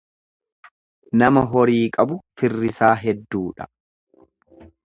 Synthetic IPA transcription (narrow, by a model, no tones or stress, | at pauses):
nɐmɐɦɔɾiːkʼɐbʊfɪrːɪsaːɦɛd̪ːuːᶑɐ̥